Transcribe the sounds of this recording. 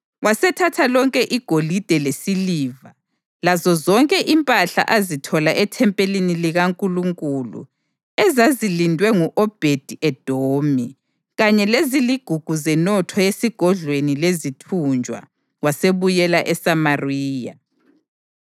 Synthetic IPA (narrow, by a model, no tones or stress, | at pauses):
wasɛtʰatʰalɔŋkʼɛʔiɡ̥ʱolid̥ʱɛlesiliːva | lazɔzɔŋkʼɛʔimpʼaɬa̰ʔazitʰɔlaʔɛtʰɛmpʼeliniliɣaŋkʼuluŋkʼulṵ | ɛzazilindʱwɛŋuʔɔb̥ʱed̥ʱiɛd̥ʱoːmi | ɣaɲɛleziliɡ̥ʱuɡ̥ʱuzɛnɔtʰɔjesiɡ̥ʱɔɮwenilezitʰund͡ʒʱʼwa̰ | waseβujɛlaʔɛsamariːja